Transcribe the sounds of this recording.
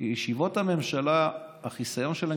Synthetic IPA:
iʃivo̞thame̞mʃalaː | χisajo̞nʃele

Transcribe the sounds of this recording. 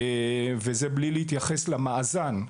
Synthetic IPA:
vezeblilehit̪jaχeslamaʔzan

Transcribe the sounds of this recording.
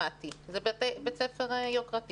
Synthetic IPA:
at̪izebetebet͡sɛfeʁjokʁat̪

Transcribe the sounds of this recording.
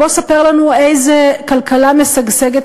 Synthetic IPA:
osapeʁlanuejzekalkʰalamesaɡseɡet̪

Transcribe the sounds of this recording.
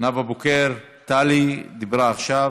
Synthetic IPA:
navabokeɾ | t̪alid̪ibɾaːχʃa

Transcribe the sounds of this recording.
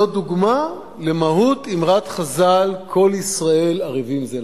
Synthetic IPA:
od̪uɡma | lemaɦut̪imʁat̪χazalkʰo̞lisʁae̞laʁivimze

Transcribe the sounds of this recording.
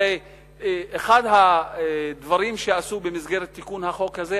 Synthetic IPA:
e | eχad̪ɦa | d̪vaʁimʃeasubemizɡe̞ʁet̪ːikunhaχo̞khaze

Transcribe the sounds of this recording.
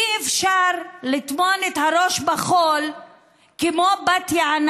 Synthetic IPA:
iefʃaʁlit̪monet̪haɾoʃbaχol | kemobat̪jaan

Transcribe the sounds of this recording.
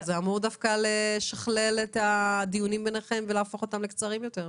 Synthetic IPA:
zeamuʁd̪afkaleʃaχle̞let̪ad̪ijunimbeneχe̞mveleafo̞χo̞tamlekt͡saʁimjo̞teʁ

